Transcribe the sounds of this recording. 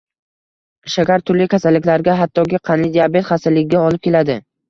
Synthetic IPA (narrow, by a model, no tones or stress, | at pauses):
ʃakʲaɾt̪ʰʊɾlɪkʲʰasalːɪkʲlaɾɡʲaɦat̪ʰːɒkʲɪqʰɑnlɪd̪ijabe̞t̪χasɪlːɪɡʲɡʲaɒlˠɪp̚kʲe̞lad̪ɪ